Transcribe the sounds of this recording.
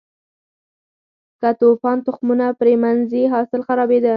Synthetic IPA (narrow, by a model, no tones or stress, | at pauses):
kat̪ofɑnt̪ʊxmunapɾemanzeɦɑsɪlxaɾɑbed̪a